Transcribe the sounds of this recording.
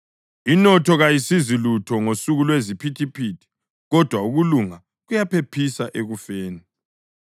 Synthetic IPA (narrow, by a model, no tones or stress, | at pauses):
inɔtʰɔɣajisizilutʰɔŋosuɣulwezipʰitʰipʰitʰi̥ | ɣɔd̥ʱwauɣuluŋa | ɣujapʰepʰisaʔeɣufeːni